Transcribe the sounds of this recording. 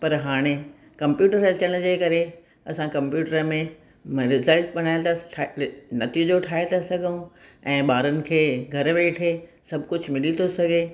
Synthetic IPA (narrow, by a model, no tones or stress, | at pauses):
pɐɾɦaːɽ̃e | kɐ̃mpjuːʈəɾɐt͡ɕəɽ̃d͡ʑeːkɐɾe | ɐsãkɐ̃mpjuːʈəɾmẽ | ɾɪzəlʈ̚ɓɐɽ̃aːɪt̪ɐ | nɐt̪id͡ʑoʈʰaːɦet̪ʰasɐɡʱəũɛ̃ːɓaːɾʊnɪ̆kʰeːɡʱɐɾʋeːʈʰe | sɐbʱkʊd͡ʑʱmɪlit̪ʰosɐɡʱe